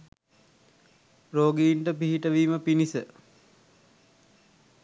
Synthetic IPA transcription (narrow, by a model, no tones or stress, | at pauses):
roːɡiːɳʈəpiɦiʈəʋiːməpinisə